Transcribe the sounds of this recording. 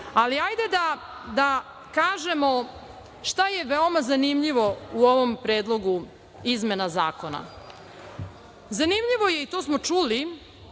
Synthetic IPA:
aliajd̪e̞d̪a | d̪a | kaːʒe̞mo̞ | ʃt̪aje̞ʋeomazanimʎiʋo̞uo̞ʋompɾe̞ːd̪lˠo̞ɡu | izme̞naza̰ːko̞na̰ | zanimʎiʋo̞je̞it̪osmo̞t͡ʂuli

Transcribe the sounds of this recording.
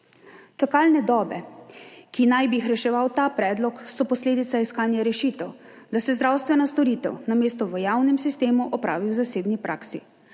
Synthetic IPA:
t͡ʃakaːlnɛd̪ɔːbɛ̰kinajbixɾɛʃɛʋawt̪aːpɾɛːd̪lɔksɔpɔsleːd̪it̪saiskaːnjaɾɛʃiːt̪ɛwd̪asɛzd̪ɾaːwst̪ʋɛnast̪ɔɾiːt̪ɛ̰wnameːst̪ɔʋəjaːwnɛmsist̪eːmuʔɔpɾa̰ːʋiwzaseːbnipɾʔa̰ːksḭ

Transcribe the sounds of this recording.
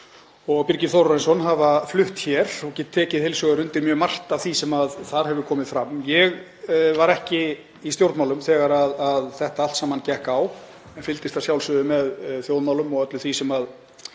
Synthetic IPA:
ɔɣpiɾcɪθɔwɾrɔɾɛnsɔnɦavaflʏht̪çɛɾ̥ɔcɛːt̪ʰːɛːcɪðhejlsœɣaɾʏnt̪ɪɾmjœːɣmar̥t̪avθisɛmaðθaɾ̥hɛvʏɾkʰɔːmɪðfɾamːjɛɣ | vaɾɛhcɪ | ist̪jowɾt̪mawlʏmθɛːɣaɾaðaðθɛht̪aal̥t̪saːmancɛhkaw | ɛnfɪlt̪ɪst̪asjawlsʏðʏmɛðθjowðmawlʏmɔɣœt̪lʏθisɛmað

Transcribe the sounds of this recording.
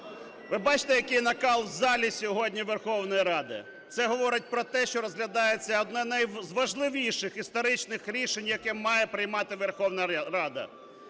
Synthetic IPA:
ʋɪbɑt͡ʃɪ̥t̪ɛjɐkɪjnɐkɑlˠzɑlʲisʲɔɦɔdʲnʲiʋerxɔwnɔjiɾɑd̪ɪ̰ | t̪sɛɦɔʋɔɾɪt̚ʲpɾɔt̪ɛʃt͡ʃɔɾɔzɦlʲɐd̪ɑjet͡sʲːɐɔd̪nɛnɛjzʋɐʒlˠɪʋʲijʃɪxist̪ɔɾɪt͡ʃnɪxɾʲiʃenʲjɐkɛmɑjɛpɾɪjmɑt̪ɪʋerxɔwnɐɾɑd̪ɐ̰

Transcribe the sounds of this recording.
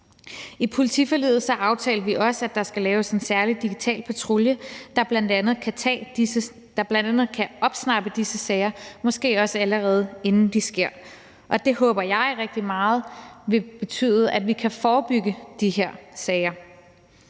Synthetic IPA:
ipʰo̝lit͡sʰḭfɒ̽lḭːð̩ˠsɒ̽ʔɑ̈ʊt͡sʰɛ̰ːlɐʋiʔɒ̽səæd̥ɑ̈sɡ̥ælɛːʊse̝nsæɐlid̥iɡ̥it͡sʰɛ̰ːlpʰæt͡sʰʁo̝ljəd̥ɑ̈b̥lænd̥ænð̞̩ˠkʰæt͡sʰɛ̰̥ːə | d̥ɑ̈b̥lænd̥ænð̞̩ˠkʰæɒ̽b̥snɑ̈b̥əd̥isəsɛɪɐmɒ̽sɡ̥e̝̰ːɒ̽səæləʁɛːð̞̩ˠe̝nn̩d̥isɡ̥e̝ɐ̰ | ʔɒ̽d̥e̝ɦɔ̽ːb̥ɐjɑ̈ɪʁɛɡ̥̚d̥imɑ̈ːð̞̩ˠʋe̝b̥e̝t͡sʰy̰ːð̩ˠæ̥ʋikʰæfɒːb̥yɡ̥əd̥ihe̝ɐ̰sɛɪɐ

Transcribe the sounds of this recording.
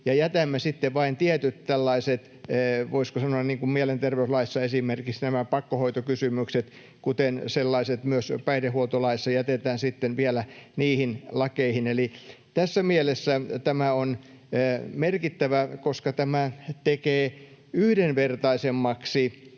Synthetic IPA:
jɑjæt̪æmːæsit̪ːeʋɑint̪iæt̪yt̪t̪ælːɑiset̪ː | ʋoiskosɑnoɑnniːŋkummielent̪erʋeyslɑisːɑesimerkiksnæmæpɑkːohoit̪okysymykset̪ | kut̪enselːɑiset̪myøspæidehuot̪olɑisːɑjæt̪et̪æːnsit̪ːenʋielæniːhinlɑkeihineli | t̪æsːæmielesːæt̪æmæonː | merkit̪ːæʋækoskɑt̪æmæt̪ekeː | yhdenʋert̪ɑisemːɑksi

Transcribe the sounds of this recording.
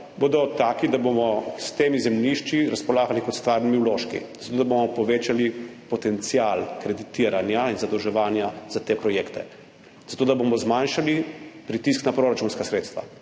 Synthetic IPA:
bod̪ɔt̪aːkid̪abomɔst̪eːmizɛmniʃt͡ʃiɾaspɔlaːɡalikɔt̪st̪ʋaːɾnimiwloːʃkḭzat̪oːd̪abomɔpɔʋeːt͡ʃalipɔt̪ɛnt̪sialkɾɛd̪it̪iɾanjainzad̪ɔwʒɛʋaːnjazat̪eːpɾɔjeːkt̪ɛ | z̥at̪oːd̪abomɔzmanʃalipɾit̪isknapɾoɾat͡ʃunskasɾeːt̪st̪ʋa̰

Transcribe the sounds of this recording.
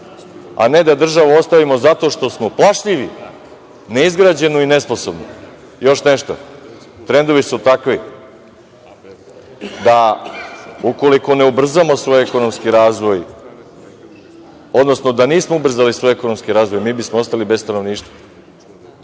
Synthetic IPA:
a̰ne̞d̪ad̪r̩ʒaʋao̞st̪aʋimo̞zat̪o̞ʃt̪o̞smo̞plˠaʃʎiʋi | ne̞izɡɾaːd͡ʑe̞noine̞spo̞so̞bno̰ | jo̞ʃne̞ʃt̪o̰ | t̪ɾe̞nd̪o̞ʋisut̪akʋi | d̪a | uko̞liko̞ne̞ubr̩zamo̞sʋo̞jekono̞mskiɾaːzʋo̞j | o̞d̪no̞snod̪aniːsmoubr̩zalisʋo̞jeko̞no̞mskiɾaːzʋo̞jmiːbismoost̪alibe̞sst̪ano̞ʋniːʃt̪ʋa

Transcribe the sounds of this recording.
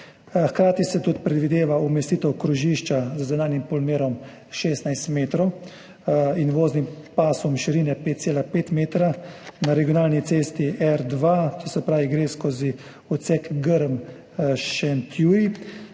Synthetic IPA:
xkɾaːt̪isɛt̪ut̪pɾɛd̪ʋid̪eːʋaumɛst̪iːt̪ɛwkɾuʒiʃt͡ʃazzɛnaːnjimpɔlmeːɾɔm | ʃeːst̪najst̪meːt̪ɾɔw | inʋoːznimpaːsumʃiɾinɛpeːt̪̚seːlapeːt̪meːt̪ɾanaɾɛɡijɔnaːlnit̪seːst̪iʔɛɾd̪ʋat̪ɔsɛpɾaːʋiɡɾeːskoːzi | ut̪sɛkɡəɾm | ʃɛnt̪ʰjuɾi

